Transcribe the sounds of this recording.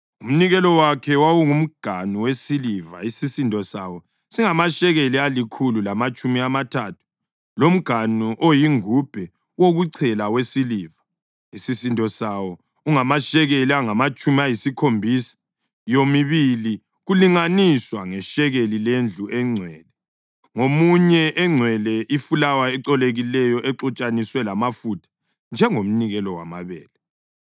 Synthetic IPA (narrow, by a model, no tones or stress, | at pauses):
um̩niɣɛlɔwakʰɛwawuŋum̩ɡ̥ʱanuwesiliva̰isisintʼɔsa̰wɔ | siŋamaʃɛɣelialikʰululamat͡ʃʼumiamatʰatʰu̥ | lom̩ɡ̥ʱanuʔojiŋub̥ʱɛ | woɣuǀʰɛlawesiliːva | isisintʼɔsawɔ | uŋamaʃɛɣeliaŋamat͡ʃʼumiajisikʰombʱisḁ | jomiβili | ɣuliŋaniswaŋɛʃɛɣelilend͡ɮʱuʔɛŋ͡ǀʱwɛːlɛ | ŋomuɲɛʔɛŋ͡ǀʱwɛlɛʔifulawaɛǁɔleɣilɛjɔʔɛǁɔt͡ʃʼaniswɛlamafutʰḁ | nd͡ʒʱɛŋom̩niɣɛlɔwa̰ma̰βɛ̰ːlɛ